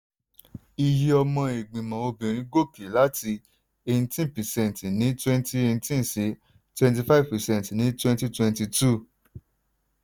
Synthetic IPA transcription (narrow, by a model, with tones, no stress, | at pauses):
i˧ji˨˦ɔ˧mɔ̃˧e˨ɡ͡bĩ˨mã˨o˧bĩ˨ɾ̃ĩ˦ɡo˦˨pi˨la˦ti˧ | e˧nĩ˧tĩ˦n˨pɛ˨sɛ̃˦˨n˨ti˨nĩ˨˦twɛ̃˦nti˦e˧nĩ˧tĩ˦n˨se˨˦ | twɛ̃˧nt̬i˧fa˦i˦˨vpɛ˨sɛ̃˦n˨tnĩ˨˦twɛ̃˦nti˦twɛ̃˧nti˧tu˦˨